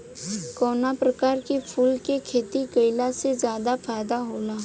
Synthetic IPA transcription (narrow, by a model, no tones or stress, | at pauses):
kɔːnapɾɐkaːɾkepʰuːlkekʰeːt̪ikɐɪlasezjaːd̪afaːɪd̪aɦoːlaː